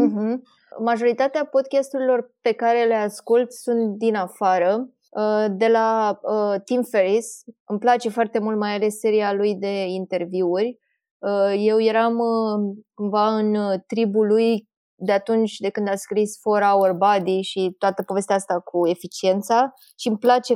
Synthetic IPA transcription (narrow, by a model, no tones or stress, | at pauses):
m̩ɦm̩ | maʒo̞ɾit̪at̪eapo̞d̪̚kʲast̪uɾilo̞rpe̞kaɾe̞le̞askult̪sunt̪d̪inafaɾə | əd̪e̞laət̪imfe̞ɾisɨmplat͡ʃe̞foart̪e̞mult̪majale̞sːe̞ɾialujd̪e̞int̪e̞rviurʲ | je̞wje̞ɾam | kumvaɨnt̪ɾibuluj | d̪e̞at̪unt͡ʃʲd̪e̞kɨnd̪askɾisfoɾaorbad̪iʃit̪oat̪əpo̞ve̞s̬t̪eaast̪akʰue̞fit͡ʃie̞nt̪sa | ʃimplat͡ʃe̞